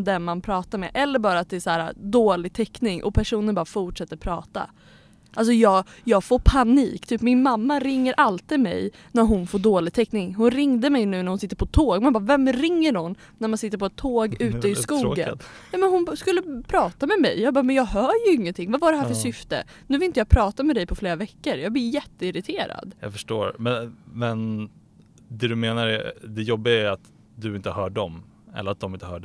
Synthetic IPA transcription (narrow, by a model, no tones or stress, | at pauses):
d̪ɛnmanpʰɾɑːt̪aɾmḛːʔɛlːəɾbɑːɾat̪̚d̪ɛːsæːɾa̰d̪oːlɪɡ̚t̪ʰɛkːnɪŋʔɔ̰pʰæʂuːnənbɑːɾafʊʈʂɛt̪ːəɾpʰɾɑ̰ːt̪a̰ | ʔals̬ɔjɑːɡjɑːɡfoːɾpʰaniːkt̪ʰyːpmɪnmamːaɾɪŋːəɾʔalt̪iːd̪mɛ̰j | næɾɦʊnfoːɖoːlɪɡ̚t̪ʰɛkːnɪŋɦʊnɾɪŋd̪əmɛjnʉ̟ːnæɾhʊnsɪt̪ːəɾpʰɔt̪ʰoːɡmɛanbɑːɾvɛmɾɪŋːəɾhʊn | næɾmansɪt̪ːəɾpɔɛt̪ʰːoːɡʉ̟ːt̪əɪsskuːɡə̰njɑːmɛnhʊnskɵlːəpʰɾɑːtt̪amɛmɛ̰jjɑːɡbɑːɾmɛnjɑːɡɦœːjɵɪŋːənt̪ʰɪŋːvavaɖɛhɦæɾfœʂsʏft̪ə̰ | nʉːvɪlɪnt̪əjɑːɡpʰɾɑːt̪amɛd̪ɛjpʰɔfleːɾavɛkːəɾjɑːɡblɪjɛt̪ːəɪɾɪt̪ʰeːɾa̰d̪jɑ̰ɡfœʂʈo̰ːɾmɛmɛn | d̪ɛd̪ɵmeːnaɾɛ̰d̪ɛjɔbːɪɡaæɾat̪ | d̪ɵɪnt̪əhœːɖɔm | ɛ̰ləɾat̪̚d̪ɔmɪnt̪əhœ̰ːɖ